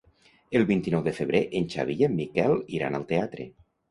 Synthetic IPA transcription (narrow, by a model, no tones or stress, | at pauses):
elˠβint̪inɔwðefeβ̞ɾeʔenʲt͡ʃa̰βiʎemːikɛlˠiɾa̰nalˠt̪eat̪ɾḛ